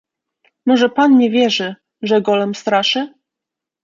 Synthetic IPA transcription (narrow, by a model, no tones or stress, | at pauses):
mɔʐɛpanɲɛvʲjɛʐɘ | ʐɛɡɔlɛmst̪ɾaʂɘ